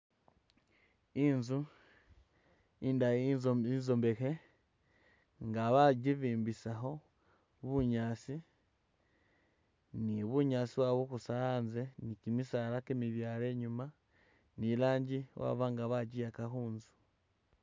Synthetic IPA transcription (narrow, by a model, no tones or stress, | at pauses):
inzu | indazinzombe̞ke | ŋɡaβaɟiβiːmbisaɦo̞ | βuɲaːt͡si | niβuɲaːt͡siβwaβukusaanzenikimisaɾakemiβjaːɾe̞ɲuma | nilaːɲɟiwa̰βaŋɡaβaɟijakaxuːnzu̥